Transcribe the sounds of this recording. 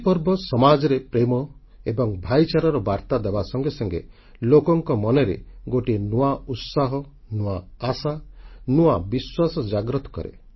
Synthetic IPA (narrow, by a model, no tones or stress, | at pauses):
pɔɾbɔsɔmad͡ʒɔɾepɾemɔ | ebɔŋbʱajt͡ʃaɾɔɾɔbaɾt̪ad̪ebasɔŋɡesɔŋɡe | lokɔŋkɔmɔneɾḛɡoʈienuaut̪saɦɔ | nuaːsanuabiswasɔd͡ʒaɡɾɔt̪ɔ̥kɔ̰ɾḛ